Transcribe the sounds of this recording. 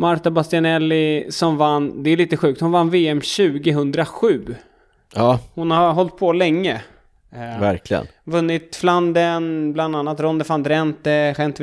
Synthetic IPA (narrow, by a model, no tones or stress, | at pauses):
maɾt̪abast̪ɪanɛlːɪsɔmvanːd̪ɛæɭiːt̪əɧʉ̟ːk̚t̪hʊnvanːveːɛmɕʉ̟ːɡɪɦɵnd̪ɾaɧʉ̟ː | ɑːhʊnhaɦɔlt̪̚pʰɔlɛŋːə | væɾkʰlɪɡə̰nvɵnːɪt̪fland̪ənbland̪anːat̪ɾɔnd̪əfand̪ɾɛnt̪əɧɛnt̪